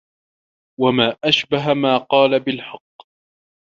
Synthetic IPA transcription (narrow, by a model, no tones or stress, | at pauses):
wamaːʔaʃbaɦamaːqɑːlabɪlħɑqː